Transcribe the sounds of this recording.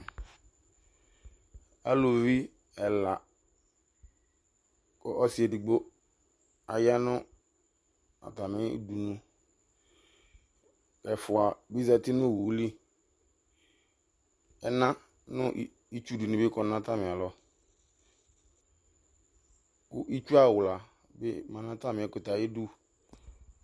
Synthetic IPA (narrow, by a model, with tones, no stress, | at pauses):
a˦lo˨vi˦ | ɛ˨la˨ | kɔ˦ʔɔ˦si˨e˨di˨ɡ͡bo˦ | a˨ja˦nʊ̃˦ | a̰˨ta˨mɪ̰̃˦du˨nũ˦ | kɛ˨fʊ˨a˨bi˦za˦tɪ˦nʊ̃˦˨wu˨˦li˦ | ɛ˦nã˦ | nʊ̃˦ | i˦t͡ʃu˦du˨nʊ̃˨bɪ˦kɔ˨˦nã˦ta˦mɪ̃˨a˨lɔ˨ | kʊ˦ʔi˦t͡ʃu˦a˦˨wʊ˨la˨ | bɪ˦mã˨nã˦ta˦mɪ̃˨ɛ˨˦kʊ˨ta˨je˦du˦